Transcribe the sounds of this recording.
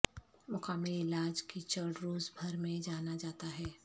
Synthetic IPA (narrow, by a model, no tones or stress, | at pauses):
mʊkaːmilɪlaːd͡ʒkit͡ʃɐɾɽɾoːzbʱɐɾmẽd͡ʒaːnad͡ʒaːt̪aɦɛː